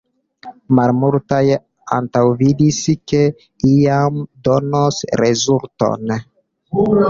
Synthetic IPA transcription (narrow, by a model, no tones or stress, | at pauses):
malmultaj | a̰ntawvidiske̞ | ijamdo̞nosɾezulto̞̰n